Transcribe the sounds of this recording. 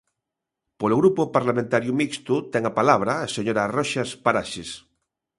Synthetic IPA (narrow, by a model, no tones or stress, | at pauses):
poloɣɾupopaɾlamẽnt̪aɾjumikst̪ut̪ɛŋapalaβ̞ɾaːseɲoɾaroʃaspaɾaʃes